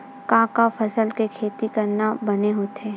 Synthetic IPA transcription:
kãːkafʰɐsəlkekʰeːt̪ikɐɾnabɐneɦot̪eː

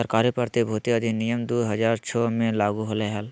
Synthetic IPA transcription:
əɾkaːɾipəɾt̪ibʱuːt̪iəd̪ʱinijəmd̪uːɦɐd͡ʒaːɾt͡ʃʰɔmẽlaːɡuɦoleɦɛl

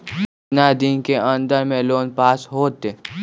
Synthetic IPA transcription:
nad̪inkeə̃nd̪əɾmẽloːnpaːsɦoːt̪e

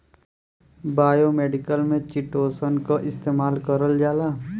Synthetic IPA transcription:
baːjomeːɖɪkəlmẽt͡ʃɪʈoːsənkaʔɪst̪eːmaːlkəɾəld͡ʒaːlaː

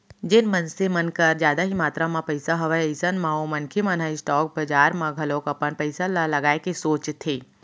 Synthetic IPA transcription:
d͡ʒɪnmɐnsemɐnkəɾd͡ʒjaːd̪aɦimaːt̪ɾamãpɐɪsaɦɐʋaəɪsənmãomɐnkʰemɐ̃nɦaisʈɔːk̚bɐd͡ʒaːɾmãɡʱɐloːkɐpənpəɪsallɐɡaːekesoːt͡ʃt̪ʰeː

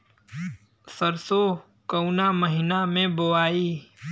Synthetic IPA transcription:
səɾso | kəʊnaməɦɪnamẽbowaːiː

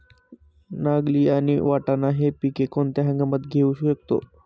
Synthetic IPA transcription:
naɡliːañiʋaʈanaɦepikekont̪eɦə̃ŋɡəmət̪ɡʱeuːɕuɕək̚t̪o̰

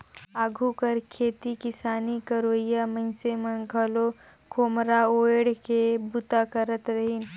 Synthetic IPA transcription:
aːɡʱukəɾkʰeːt̪ikɪsaːnikəɾoɪjamə̃ɪ̃semənɡʱəlo | koːmɾaoːɽkebʊt̪akəɾət̪ɾɐɦin

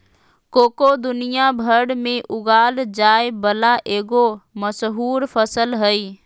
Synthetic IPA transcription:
koːkod̪ʊnɪjabʱəɾɽmẽʔʊɡaːld͡ʒaːebəlaʔeːɡoməsɦuːɾpʰəsəlɦəiː

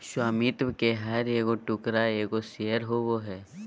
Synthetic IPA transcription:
ʃwaːmit̪ʋkeɦɐɾeːɡoʈʊkɾaeːɡosejəɾɦoʋoɦɛː

